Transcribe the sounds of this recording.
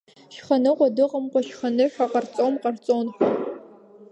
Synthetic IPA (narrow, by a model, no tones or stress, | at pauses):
ʃχɐnɨʁʷɔdɨqəmqʷɔʃχɐnɨɕᶣʷaqɐrt͡sʼomqɐrt͡sʼonxʷ